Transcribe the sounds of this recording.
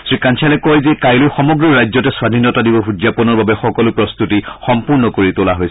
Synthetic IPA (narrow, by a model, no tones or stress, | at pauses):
sɹikant͡ʃʰalɛkɔjzɛkajlojxɔmɔɡɹɔɹajzɔtɛswadʱinːɔtadibɔxud͡ʒjapɔnɔɹbabɛxɔkɔlʊpɹɔst̪utixɔmpuɹnɔkoɹitʊlaɦojs